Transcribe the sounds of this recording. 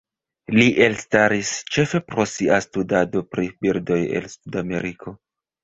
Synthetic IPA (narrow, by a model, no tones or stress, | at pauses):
liʔe̞lstaɾist͡ʃe̞fe̞pɾo̞siastudado̞pɾibildo̞je̞̰lsudame̞̰ɾikʰo̞